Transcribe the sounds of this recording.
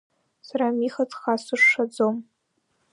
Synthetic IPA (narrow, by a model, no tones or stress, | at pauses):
saɾamiχat͡sʰʼχasɨʂʂad͡zom